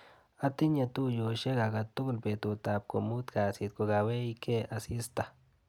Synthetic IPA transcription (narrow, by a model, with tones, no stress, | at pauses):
a˦t̪i˦ɲa˧t̪u˦jo˨ʃe˦ɡa˨ɡa˨t̪u˦ɡu˨lpe˨t̪u˨t̪a˨p̚ko˨mu˦t̪ka˨si˨˧t̪̚ko˨ɡa˨we˦ikʰe˦a˨si˦st̪a˨